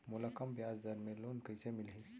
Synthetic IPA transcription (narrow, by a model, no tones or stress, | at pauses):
muləkəmbjad͡zd̪ʱəɾmelonkəjsemilɦi